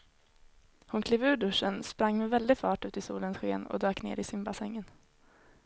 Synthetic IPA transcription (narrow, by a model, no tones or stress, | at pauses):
hʊnkʰleːvʉ̟ːɖɵʂːənspɾaŋːmɛvɛld̪ɪfɑːʈʉ̟ːt̪ɪsuːlənsɧḛːnɔ̰d̪øːknḛːɾɪsʏmbasɛŋːən